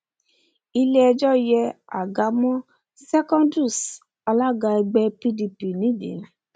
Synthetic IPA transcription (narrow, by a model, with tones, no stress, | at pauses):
i˧le˦ɛ˧d͡ʒɔ˦jɛ˧a̰˨ɡa˨˦mɔ̃˦ | sɛ˦kɔ̃˦ndu˦˨s | a˧la˦ɡa˧ɛ˧ɡ͡bɛ˧pi˦di˧pi˨nĩ˦dḭ̃˨˦